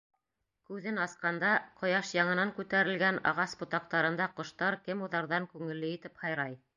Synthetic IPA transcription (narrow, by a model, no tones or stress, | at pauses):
kʉðɘnɑsqɑnd̪ɑqŏjɑʃjɑɴɤ̆nɑŋkʉt̪æɾɘ̆lɡænɑ̰ʁɑsbut̪ɑq̚t̪ɑɾɤ̆nd̪ɑqŏʃt̪ɑɾkɘmuðɑɾðɑŋkʉŋɘ̆lːɘit̪ɘphɑjɾɑj